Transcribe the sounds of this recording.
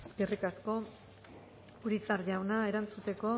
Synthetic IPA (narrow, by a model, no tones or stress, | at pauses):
skerikasko̞ | uɾit͡saɾʝawnae̞ɾant͡sut̪e̞ko̞